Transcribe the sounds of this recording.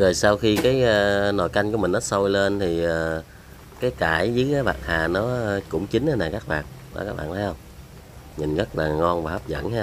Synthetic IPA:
zəː˨˩jsaː˧wxi˧kaː˨˦jəː˧no˨˩jka˧jŋku˧˩˦mï˨˩ŋ̟nɔ˨˦so˧jle˧nt̪ʰi˨˩ʔəː˨˩ | kaː˨˦jkaː˧˩jzɨ˨˦kaː˨˦jɓa̰ː˨˩t̚haː˨˩nɔ˨˦˧kʊ̰˧˥ŋ͡mt͡ɕi˨˦n̟ʔa˧naː˨˩kaː˦˥k̚ɓa̰ː˨˩n | aː˨˩kaː˦˥k̚ɓa̰ː˧˨nt̪ʰːjhə˧wŋ͡m | ɲi˨˩ŋɣə˦˥t̚laː˨˩ŋɔ˧nvaː˨˩hə˦˥p̚zə̰˧˥˨nh

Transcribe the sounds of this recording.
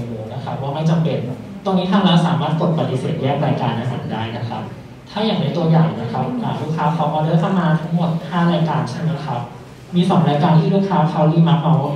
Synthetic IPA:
moː˧na˦˥kʰa˦˥p̚waː˥˩ma˥˩jt͡ɕa˧mpe˧n | t̪o˧ŋniː˦˥t̪ʰa˧ŋlɛː˦˥wsaː˨˩˦maː˥˩t̪̚ko˨˩t̪̚pa˧t̪i˧sḛː˨˩t̪̚jɛː˥˩ŋɾaː˧jkaː˧nʔa˧˦˧jsa̰˨˩˦daː˥˩jna˦˥kʰa̰˦˥p̚ | t̪ʰaː˥˩jaː˨˩ŋna˦˥jt̪u˧ɐ˧jaː˨˩ŋna˦˥kʰa˦˥p̚ʔaː˨˩ɾuː˥˩kʰaː˧pʰa˦˥wʔɔː˧dɯ˦˥˩k̪ʰa˥˩maː˧t̪ʰa˦˥ŋmo˨˩t̪̚haː˥˩ɾaː˧jkaː˧nt͡ɕʰa˥˩na˦˥kʰa˦˥p̚ | miː˧sɔː˩˦ŋɾaː˧jkaː˧nt̪ʰiː˥ɾuː˦˥˩kʰaː˧pʰa˦˧wliː˥˩ma˦˥k̚mɔː˧wa˥˩

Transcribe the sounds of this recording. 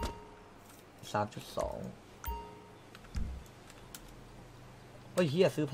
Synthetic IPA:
saː˩˦mt͡ɕu˨˩t̪̚sɔ̰ː˩˦ŋ | ʔo˧˥˩jhi˦˥˩ɐ˩sɯː˦˥pʰ

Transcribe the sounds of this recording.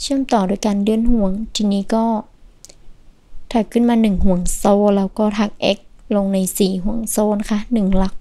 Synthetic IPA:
t͡ɕʰɯ˥˩əmt̪ɔː˨˩duː˧˩əjka˧ndɯ˧˨ənhu˨˧˩əŋt̪ʰiː˧niː˦˥kɔː˥˩ | t̪ʰaː˨˩kʰːɯ˥˩˨nmaː˧nɯ˨˩ŋɦu˨˩˦əŋsoː˧lɛː˦˥wkɔː˥˩t̪ʰa˧˩k̚ʔɛ˦˥k̚lo˧ŋna˧jsiː˨˩ɦu˨˩˦əŋsoː˧na˧˥kʰa˦˧˥nɯ˨˩ŋla˧˦˩k̚

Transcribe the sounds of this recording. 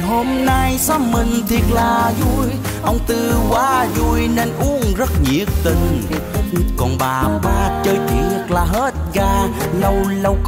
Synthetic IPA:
ho˧mna˧jsaː˦˥p̚mï˨˩ŋ̟t̪ʰi˨˩ət̚laː˨˩zu˧˩j | ʔə˧wŋ͡mt̪ɨ˧kwaː˧˦zu˧˩jne˧nʔu˨˦˥əŋzə˦˥t̚ɲḭ˧˥ək̚t̪i˧˩ŋ̟ | kɔ˨˩nɓaː˨˩ɓaː˧˩t͡ɕəː˧jt͡ɕɨ˨˩ək̚laː˨˩ɦe˦˥t̚ɣaː˧˩nə˧˩wlə˧wk

